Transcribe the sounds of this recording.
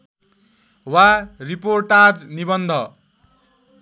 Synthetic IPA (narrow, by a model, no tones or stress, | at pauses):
wariporʈad͡znibʌnd̪ʱʌ